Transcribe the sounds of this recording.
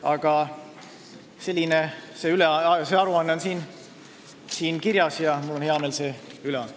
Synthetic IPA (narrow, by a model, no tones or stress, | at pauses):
ɑɡ̥ɑ | se̞lʲːineseːyleseɑɾuɑnːeonsiːn | siːnkiɾjɑsjɑmulonheɑmeːlse̞ːyleɑ̰nː